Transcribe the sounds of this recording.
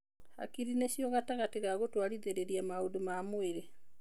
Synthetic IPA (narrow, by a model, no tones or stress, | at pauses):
ha̰kiɾineɕjoɣataɣateɣaɣotwaliðeɾeɾjamaodumamoeɾe